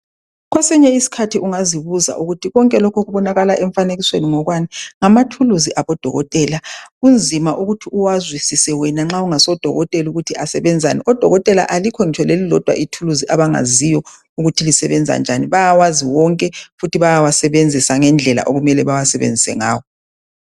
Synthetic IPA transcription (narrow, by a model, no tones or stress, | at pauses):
ɣwɛsɛɲɛisi̥kʰatʰiʔuŋaziβuza̰ʔuɣutʰiɣɔŋkʼɛlɔkʰɔɣuβɔnaɣalaʔɛɱfaneɣisweniŋɔɣwaniŋamatʰuluziʔaβɔd̥ʱɔ̰ɣɔ̰tʼɛlaɣund͡zʱimaʔuɣutʰiuwazwisisɛwɛnaŋ͡ǁauŋasɔd̥ʱɔ̰ɣɔtʼɛluɣutʰiasɛβɛnd͡zʱa̰niʔɔd̥ʱɔɣɔtʼɛla̰ʔalikʰɔŋit͡ʃʰɔlelilɔd̥ʱwa̰ʔitʰuluziʔaβaŋa̰zijɔ | uɣutʰilisɛβɛnd͡zʱa̰nd͡ʒʱa̰niβajawaziwɔŋkʼɛfutʰiβajawasɛβend͡zʱisaŋɛnd͡ɮʱɛla̰ʔoɣumɛlɛβawasɛβḛnd͡zʱisɛ̰ŋa̰ːwɔ